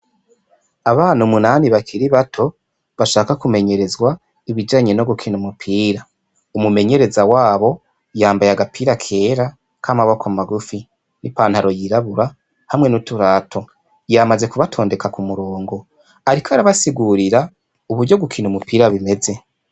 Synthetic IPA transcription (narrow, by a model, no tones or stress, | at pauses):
aβaːn̥umunaːniβakʰiɾiβatʰo̞ | βaʃaːkakume̞ɲe̞ɾe̞zɡwa | iβid͡ʒaːɲeno̞ɡukʰinumupʰiːɾa | umume̞ɲe̞ɾe̞zawaːβo̞ | jaːmbajaɡapʰiːɾakʰe̞ːɾa | kʰamaβo̞kamaɡufi | nipaːn̥haɾo̞jiɾaβuɾa | hamŋenutuɾaːtʰo̞ | jamaze̞kuβatʰo̞ːnde̞kakumuɾoːŋɡo̞ | aɾikʰaɾaβasiɡuɾiɾa | uβuɾɟo̞ɡukʰinumupiːɾaβime̞ze̞